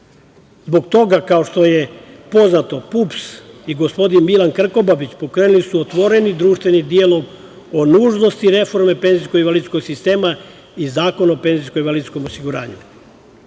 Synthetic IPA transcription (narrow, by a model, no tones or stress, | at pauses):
zbo̞ɡt̪o̞ɡakao̞ʃt̪o̞jepo̞znat̪o̞pupsiɡo̞spo̞d̪inmilankr̩ko̞babit͡ɕpo̞kɾeːnulisuot̪ʋo̞ɾe̞nid̪ɾuːʃt̪ʋe̞nid̪ialo̞ɡ | onuːʒno̞st̪iɾe̞fo̞ɾme̞pe̞nziskoiʋalid̪t̪sko̞ɡsist̪e̞ːma | izaːko̞naope̞nziskoiʋalid̪sko̞mosiɡuɾa̰ːɲṵ